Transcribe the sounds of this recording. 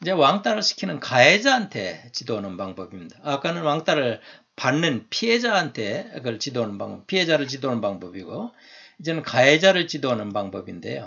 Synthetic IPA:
id͡ʑewaŋt͈aɾɯɭɕʰi̥kʰinɯnkaed͡ʑaantʰe̞̰t͡ɕidonɯnpaŋbʌbimːid̥aːk͈anɯnwaŋt͈aɾɯɭ | panːɯnpʰied͡ʑaantʰe̞ɡɯɭt͡ɕidonɯnba̰ŋbʌpʰied͡ʑaɾɯɭt͡ɕidonɯnbaŋbʌbiɡo | id͡ʑe̞nɯnkaed͡ʑaɾɯɭt͡ɕidonɯnpaŋbʌbinde̞̰jo̰

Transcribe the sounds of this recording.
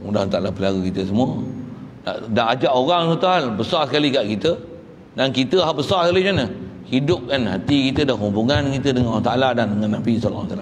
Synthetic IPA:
mudant̪aʔlapəlaɡukit̪əsəmũəna̰ʔdaʔad͡ʒaʔoɾaŋsut̪uɦalbəsarsəkalikaʔkit̪ə | dankit̪əɦalbəsaskalid͡ʒanəhidʊp̚kanɦat̪ikit̪ədaɦumbuŋãnkit̪ədəŋanawaht̪aʔaladandəŋãnːabisɔl̰ːsalam

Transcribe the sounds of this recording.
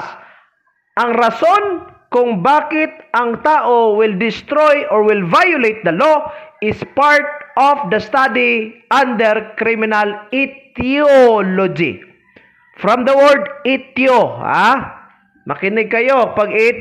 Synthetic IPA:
s | ʔɐŋɾɐso̞nkʊŋbaːkɪt̪̚ʔɐŋt̪aːʔowɪld̪ɪst̪ɾojʔɔɹwɪlvajʊlejt̪̚d̪ɐloʔɪspaɹt̪̚ʔɔfd̪ɐst̪ad̪iʔãnd̪ɛɹkɾimɪnɐlɪt̪ɪolod͡ʒḭ | fɾɐmd̪ɐwɛɹd̪ɪt̪joha̰ | mɐ̰kɪnɪɡ̚kɐjo̞pɐɡɪ

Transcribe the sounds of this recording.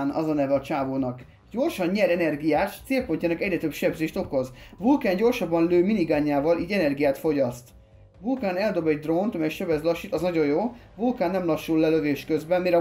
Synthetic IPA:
nɒ̰zɒnɛvɛɒt͡ʃaːvoːnɒk | ɟo̞rʃɒnɲɛɾɛnɛrɡijaːt̪t̪seːlpo̞ɲcaːnɒkɛɟɾɛt̪øbʃɛbzeːʃt̪o̞ko̞zvulkaːɲɟo̞rʃɒbːɒnløːminiɡaːɲːaːvɒliːɟɛnɛrɡijaːt̪fo̞ɟɒst̪ | vulkaːnɛld̪o̞bɛɟd̪ront̪ɒmɛjʃɛbɛzlɒʃit̪ɒznɒɟo̞jjoː | vulkaːnːɛmlɒʃːulːɛlø̞veːʃkøzbɛnmiɾɛ

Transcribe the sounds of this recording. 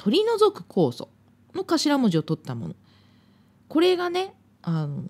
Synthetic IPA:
t̪ʰo̞ɾʲino̞zo̞kɯ̟̥kʰo̞ːso̞̰ | no̞kaɕiɾamoʑio̞t̪o̞t̪ːamo̞̰no̰ | ko̞ɾe̞ɡane̞ | ano

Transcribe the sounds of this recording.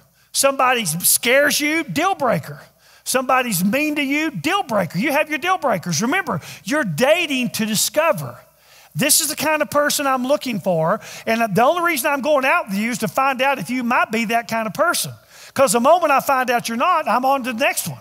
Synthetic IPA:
sʌ̃mbɑɾizskɛɹzjɨdɪlˠbɹeɪkʰə˞ | sʌ̃mbɑɾizmĩntɨjɨdɪlˠbɹeɪkə˞jɨːvjə˞dɪlˠbɹeɪkə˞zɹɨmɛ̃mbə˞jə˞deɪɾɪ̃ŋtʰɨdɨskʌvə̰˞ | ðɪsɨzðɨkʰãɪ̃ndʌv̥pʰɜ˞sɨ̃nãɪ̃mlʊkɪ̃ŋfə˞ɨ̃nðiõʊ̃nliɹizə̃nãɪ̃mɡoʊɪ̃ŋaʊt̚wəðjʉɨz̥tʰɨfãɪ̃ndaʊɾɨfjɨmaɪt̚b̥iðɨt̚kʰãɪ̃ndəv̥pʰɜ˞sɨ̃n | kʰʌzðəmõʊ̃mə̃ɾtaɪfãɪ̃ndaʊt͡ʃə˞nəɾãɪ̃mə̃ntɨnɛkst̚wʌ̰̃n

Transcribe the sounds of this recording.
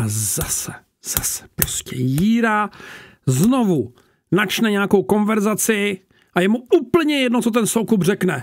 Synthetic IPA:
ʔazasɛ | z̥asɛ̥pɾo̞scɛ̰jiːɾa | zno̞vu | nat͡ʃnɛɲɛako̞wko̞nvɛɾzat͡sɪ | ʔajɛmuuːpl̩ɲɛjɛdno̞t͡so̞t̪̬ɛnsowkubr̝ɛknɛ

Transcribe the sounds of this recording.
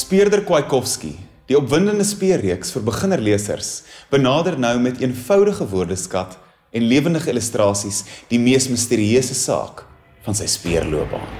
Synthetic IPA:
spiərdərkwɐjkɔfskḭ | d̥iɔpvəndəndəspiərːiəksfərbəχənərliəsə̰rsb̥ənɑːdərnœwmɛtʰiənfœwdəχəvuərdəskɐt | ɛnliəvəndəχəiləstrɑːsisd̥imiəsməstiːɾiøəsəsɑ̰ːk | fɐnsəjspiərluəp̚bɑ̰ː

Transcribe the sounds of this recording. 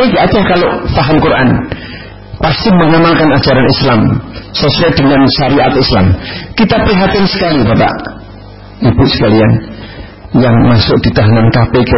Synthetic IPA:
eŋɡaʔad̥ahkaloʔfaɦamkurʔa̰n | past̪iməŋamalkanḁd͡ʒaɾanislamsɔsɾɛd̥əŋanʃaɾiʔat̪isla̰mkit̪apəɾiɦat̪insə̥kalibapa̰ʔ | ib̥ʊʔsə̥kalian | jaŋmasʊk̚d̥it̪aɦanankapek

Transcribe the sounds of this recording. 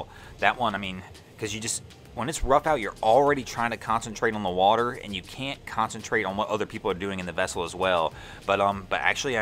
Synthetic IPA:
lˠ | ðɨʔ̚wʌ̃naɪmĩn | kʰʌzjɨd͡ʒʌst | wə̃nɨtsɹʌfaʊt͡ʃə˞l̩ˠɹɛɾitʰɹ̥aɪɪ̃ŋtʰɨkʰɑ̃nsntʰɹ̥eɪɾn̩ðəwɔɾə˞ɨ̰̃njɨkʰæ̃nkʰɑ̃nsɨ̃ntʰɹ̥eɪɾn̩wʌɾʔʌðə˞pʰipl̩ˠə˞dʉɪ̃ŋɨ̃nðɨvɛsl̩ˠəzwɛlˠ | b̥ʌɾʌ̃mb̥ʌɾʔæ̰k̚t͡ʃʉl̩ˠia

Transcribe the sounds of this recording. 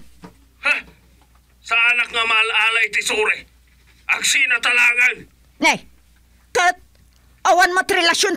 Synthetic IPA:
ha | saanakŋamalalajt̪ɪsuɾe | aɡsinat̪alaɡan | naj | kat̪̚ | awanmat̪ɾɪlasjon

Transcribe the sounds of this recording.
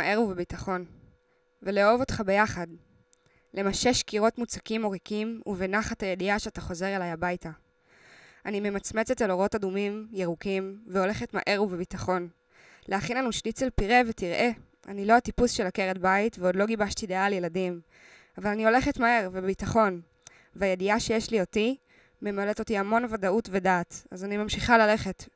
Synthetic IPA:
ʔeʁuvebitaχo̞n | veleovo̞t̪χabe̞jaχad | lemaʃe̞ʃkiʁo̞tmut͡sḁkimo̞ʁikimuvenaχathaje̞diaʃeataχo̞zeʁelajabajta | anime̞mat͡sme̞t͡se̞telo̞ʁo̞tadumimjeʁukimveo̞le̞χe̞tma̰ʔe̞ʁuvebitaχo̞n | leaχinlanuʃlit͡selpiʁe̞vetiʁʔe̞ | a̰nilo̞atipusʃe̞lake̞ʁedbaitveo̞dlo̞ɡibaʃtidealjeladim | avalanio̞le̞χe̞tmae̞ʁvebitaχo̞n | veajediaʃe̞jeʃlio̞ti | me̞maleto̞tiamo̞nvadautve̞daːtazanimamʃiχalale̞χe̞t

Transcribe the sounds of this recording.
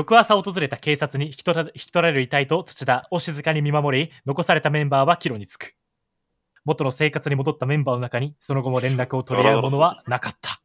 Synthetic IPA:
jo̞kɯ̟βasao̞t̪o̞zɨɾe̞t̪ake̞ːsat͡sɨɲ̟içi̥i̥t̪o̞ɾaɾe̞ɾɯit̪ait̪o̞t͡sɨ̥t͡ɕid̪ao̞ɕizɨkaɲ̟imʲimamo̞ɾʲino̞ko̞saɾe̞t̪amẽ̞mbaːβakʲiɾo̞ɲ̟it͡sɨ̥kɯ̥ | mo̞t̪o̞no̞se̞ːkat͡sɨɲ̟imo̞d̪o̞t̪ːamẽ̞mbaːno̞nakaɲ̟iso̞no̞ɡo̞mo̞ɾẽ̞nɾakɯ̟o̞t̪o̞ɾʲieɾɯmo̞no̞βanakat̪ʰːḁ

